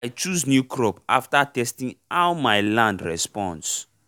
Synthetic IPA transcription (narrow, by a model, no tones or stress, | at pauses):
ajt͡ʃuznjukʰɹɔpaftatɛstĩŋaʊmajlãndɹɛspɔ̃ns